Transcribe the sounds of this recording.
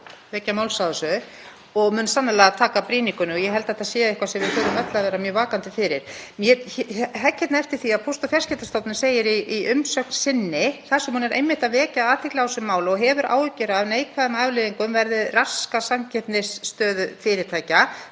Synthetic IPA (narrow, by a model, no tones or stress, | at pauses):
vɛːcamaːwlsaðʏsʏ | ɔɣmʏːnsanːalɛɣat̪ʰaːkapɾiːniŋkʏnʏɔjɛɦɛlt̪ɛht̪aðsjɛːaɪhkvasɛmvɪðfœːɾʏmɛt̪laavɛːɾamjœːvaːkant̪ɪfɪɾɪɾ̥mjɛɦɛcːɛt̪naɛft̪ɪ̥θiaðpʰowst̪ɔfjarscɛt̪ast̪awt̪nɪseːjɪɾiiʏmsœknsɪnːɪθasɛmhuːnɛɾʔḛjmːɪht̪aðvɛːcaaːt̪ʰɪklaɔsʏmːaːwlɔɣɦɛvʏɾʔa̰ːwʏcːʏɾavneːjkʰvaðɛmavlɪːðiŋkʏmvɛɾðɪrḁskasamcʰɛt̪nɪsːt̪œːðʏfɪɾɪɾ̥t̪ʰaːjca